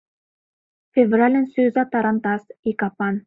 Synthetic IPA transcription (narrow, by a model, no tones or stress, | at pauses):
fʲevralʲənsøzɑt̪ɑɾɑnt̪ɑsikɑpɑn